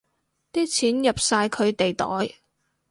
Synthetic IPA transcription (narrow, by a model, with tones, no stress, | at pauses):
t̪iː˥t͡sʰiː˨˥njɐ˨p̚saː˧jkʰɵ˨˧ɥt̪e˨jt̪ɔ̰ː˨˥j